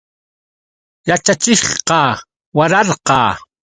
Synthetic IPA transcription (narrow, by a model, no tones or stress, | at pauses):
jat͡ʃat͡ʃɪχqɑː | waɾɑɾqɑ̰ː